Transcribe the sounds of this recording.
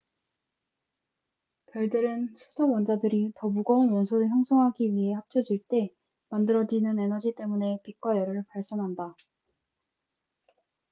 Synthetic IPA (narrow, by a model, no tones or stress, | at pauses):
pjʌɭdɯɾɯnsʰusʰʌwʌnd͡ʑadɯɾitʌmuɡʌunjʌnsʰoɾɯɭçjʌŋsʰʌŋɦaɡiɥiɦe̞hap̚t͡ɕʰʌd͡ʑiɭt͈e̞ | mandɯɾʌd͡ʑinɯne̞nʌd͡ʑit͈e̞mune̞pik͈wajʌɾɯɭpaɭs͈ʌnɦanda